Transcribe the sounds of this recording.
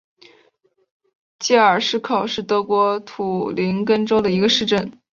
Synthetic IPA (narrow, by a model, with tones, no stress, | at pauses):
t͡ɕɛ˥˩ə˞˨˩ʂɻ̩˥˩kʰɑ˨˩ʊʂɻ̩˥˩t̪ɤ˧˥kwɔ˧˥t̪ʰu˨˩li˧˥nkə˥nʈ͡ʂo˥ʊd̪ə˨i˧˥ɡə˧ʂɻ̩˥˧ʈ͡ʂə˥˩n